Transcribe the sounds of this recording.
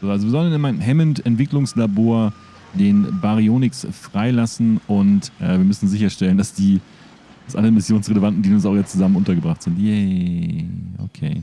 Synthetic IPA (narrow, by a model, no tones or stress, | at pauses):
zoːʔalzoviːɐzɔlənɪnmaɪnəmɦɛməntɛntv̥ɪklʊŋslaboːɐ | deːnbaʁioːnɪksfʁ̥aɪlasn̩ʊntʔɛːviːɐmʏsn̩zɪçɐʃtɛləndasd̥iː | d̥asʔa̰ləəmɪsjoːnsʁeləvantn̩diːʊnsaʊxjɛt͡stt͡suzamənʔʊntɐɡəbʁaχtz̥ɪntjɛ | o̰kʰḛː